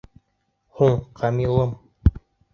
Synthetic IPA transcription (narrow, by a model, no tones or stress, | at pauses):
huɴqʰɑmilˠɤm